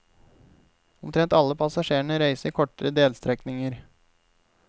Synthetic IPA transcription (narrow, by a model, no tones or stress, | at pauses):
ʊmt̪ʰɾɛnt̪ɑlːəpʰɑsɑʂeːɳəɾæɪsəɾkʰɔʈəɾəd̪eːlst̪ɾɛknɪŋəɾ